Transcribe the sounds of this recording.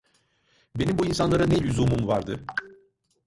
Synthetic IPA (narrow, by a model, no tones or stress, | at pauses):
be̞nimbuinsanlˠaɾanɛlʲyzumumvaɾd̪ɯ